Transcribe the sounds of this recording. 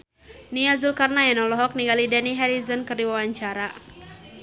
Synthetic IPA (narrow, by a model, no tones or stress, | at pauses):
niazulkarnajanɔlɔɦɔk̚niŋɡalidaniɦɛɾizɔnkɨrdiwawaɲt͡ʃaɾa